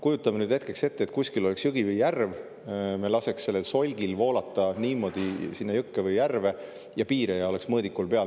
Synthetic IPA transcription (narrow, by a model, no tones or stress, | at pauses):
kujut̪ːˑɑmenyːd̪̥het̪kekse̞t̪ːet̪̚kusʲkiloleksjɯɡ̥ivɯjːærv | me̞lɑse̞kssːe̞lːelso̞lʲɡ̥ilvo̞ːlɑt̪ːˑɑniːmo̞d̪̥isinːɑjɯkːevɯjːærve̞ | jɑpiːɾejɑole̞ksmɤːd̪ikːulpe̞ɑ